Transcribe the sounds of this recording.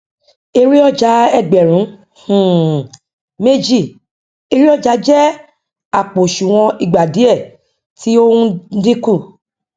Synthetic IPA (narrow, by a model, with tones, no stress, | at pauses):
e˧ɾi˦ɔ˦˨d͡ʒa˨˦ɛ˦˨ɡ͡bɛ˨ɾ̃ũ˨˦ | hũ˨ | me˦d͡ʒi˦˨ | e˧ɾi˦ɔ˦˨d͡ʒa˧˦d͡ʒɛ˦ | a˦˨k͡po˨ʃu˨w̃ɔ̃˧i˦˨ɡ͡ba˨di˨˦ɛ˦˨ | tʰi˨˦o˦ũ˦di˦ku˦˨